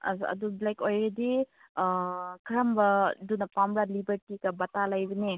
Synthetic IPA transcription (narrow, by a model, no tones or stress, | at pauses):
ɐ̰zɐ̰dublajkojɾedi | kʰɾambɐdunɐpamɾalibɐɾtikɐbɐtalajbɐne